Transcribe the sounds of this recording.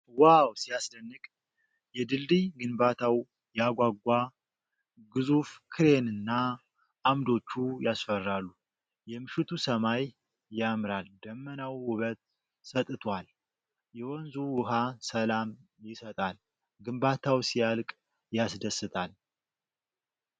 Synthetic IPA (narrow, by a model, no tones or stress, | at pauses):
wawsijasd̪ənːɨkʼ | jɛd̪ɨld̪ijɡɨnbat̪ʰaw | jaɡʷaɡʷa | ɡɨzufkʰɨɾe̞nɨnːa | ʔːmd̪o̞t͡ʃːujasfərːalːu | jɛmɨʃɪt̪ʰusəmajː | amɾald̪əmːənawhʊβət̪̚ | sət̪ʼɨt̪ʰwal | jɛwɔnzuwʊɦasəlamjɪsət̪ʼal | ɡɨmbat̪ʰawsialkʼ | jasd̪əsːɨt̪ʰʼal